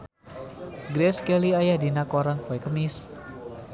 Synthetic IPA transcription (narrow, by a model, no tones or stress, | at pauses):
ɡɾɛskɛliajadinakɔɾaŋkɔɛkəmis